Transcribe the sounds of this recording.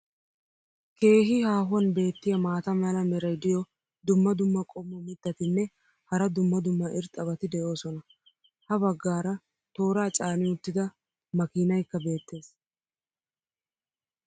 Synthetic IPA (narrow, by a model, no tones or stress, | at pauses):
ke̞ːɦɪhaːɦʊwɐnbe̞ːt̪ːɪjɐmaːt̪ɐmɐlɐmɛɾɐjd̪ɪjɔ | d̪ʊmːɐd̪ʊmːɐkʼɔmːɔmɪt̪ːɐt̪ɪnːɛ | hɐɾɐd̪ʊmːɐd̪ʊmːɐʔɪɾt̪ʼːɐbɐt̪ɪd̪ɛʔo̞ːsɔnɐ | hɐbɐɡːaːɾɐ | t̪o̞ːɾaːt͡ʃʼaːnɪʊt̪ːɪd̪ɐ | mɐkiːnɐjkːɐbe̞ːt̪ːe̞ːs